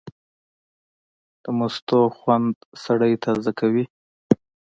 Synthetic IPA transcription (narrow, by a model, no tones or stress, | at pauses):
d̪̥əmʊst̪oxwand̪saɽəjt̪ʰazəkʰawi